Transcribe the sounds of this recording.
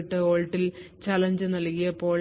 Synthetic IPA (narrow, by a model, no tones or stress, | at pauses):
ʈːɨo̞ːɭʈːilt͡ɕɐlɐɲd͡ʑɨnɐlkːijɐpːo̞ːɭ